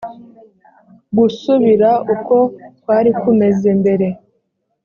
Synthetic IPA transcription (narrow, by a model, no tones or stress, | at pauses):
ɡusuβiɾauko̞twaːɾikume̞ze̞mbe̞ɾe̞